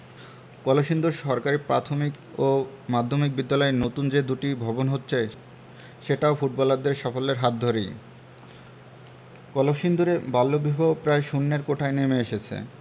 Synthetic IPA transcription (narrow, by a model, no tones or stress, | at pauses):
kɔloʃind̪uɾʃɔɾkaɾipɾat̪ʰomik | omad̪ʱːomik̚bid̪ːalɔenot̪und͡ʑed̪uʈibʱɔbonɦot̪ːɕʰe | ʃeʈaofuʈ̚bɔlaɾd̪eɾʃafolːeɾɦat̪̚d̪ʱoɾej | kɔloʃind̪uɾebalːobʱibʱopɾaeʃunːeɾkoʈʰaenemeeʃet͡ɕʰḛ